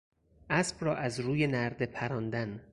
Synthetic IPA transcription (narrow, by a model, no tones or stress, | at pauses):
ʔæsb̥rɒːʔæzɾuːje̞næɾd̪e̞pʰæɾɒːnd̪æn